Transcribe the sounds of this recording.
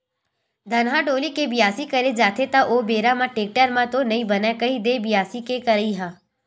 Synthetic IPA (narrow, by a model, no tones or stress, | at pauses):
d̪ʱɐnɦaɖoːlikebɪjaːsikɐɾed͡ʒaːt̪ʰet̪aʔoːbeːɾamãʈeːk̚ʈəɾmãt̪onɐĩbɐnakɐid̪ebɪjaːsikekɐɾəiɦãː